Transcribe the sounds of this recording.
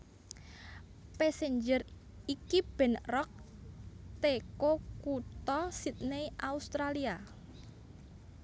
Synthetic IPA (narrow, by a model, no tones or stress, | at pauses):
peseɲd͡ʒər | ikib̥ɛ̤nrɔk̚ | t̪ekokut̪ɔsit̪̚neiʔaust̪ɾalia